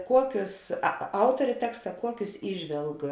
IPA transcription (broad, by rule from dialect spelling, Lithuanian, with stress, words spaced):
ˈkuɔkʲʊs ɐ ˈɐʊtoːrʲeː ˈtʲæːkstɐ ˈkuɔkʲʊs ˈiːʒʲʋʲɛlˠk